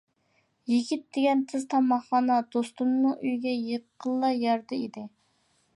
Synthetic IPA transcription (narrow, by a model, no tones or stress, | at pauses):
jiɡʲit̪̚d̪eɡʲɛnt̪ʰɨzt̪ʰɑmɑχɑːnɑd̪̥ost̪unːɨʔyjɡʲɛjəqʰːəlˠːɑjɑɾd̪ɨid̪ɪ